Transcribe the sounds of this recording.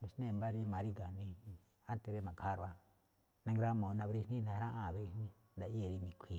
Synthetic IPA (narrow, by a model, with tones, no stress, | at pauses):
mi˨snẽ˦˨mba˦ɾi˧mã˨ɾi˦ɡa˨nĩ˧ | a˦t̪e˨˧ɾe˦mã˨kʰa˦ɾa˧ | nã˧ŋɡɾa˦mõ˨˧nã˧βe˧ɾi˧hnĩ˦nã˧˦ɾã˦ʔã˦˨βe˧˦i˧hnĩ˦ | nda˨˧i˦e˧˨ɾi˧mĩ˨kʷʰi˨